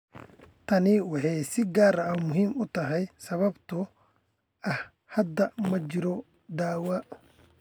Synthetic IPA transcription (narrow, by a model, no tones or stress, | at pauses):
t̪ʰɐnɪwɑħɑjsɪɡaːɾɐɐmʊɦiːmʊt̪ʰɐɦɛjsɐβɐbt̪ʰʊ | ɐh | hɐd̪ːɐmɐt͡ʃɪɾɔ | d̪aːwɐʔ